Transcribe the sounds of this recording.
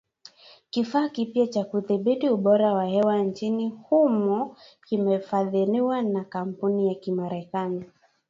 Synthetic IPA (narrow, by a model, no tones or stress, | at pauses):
kifaːkipjat͡ʃakuθiɓitiuɓɔɾawahɛwant͡ʃinihumɔkimɛfaðiliwanakam̩punijakimaɾɛkani